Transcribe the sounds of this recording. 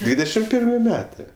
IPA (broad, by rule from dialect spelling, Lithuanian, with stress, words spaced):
ˈdʲʋʲiːdʲɛʃʲɪm ˈpʲɪrʲmʲɪ ˈmʲæːtɜ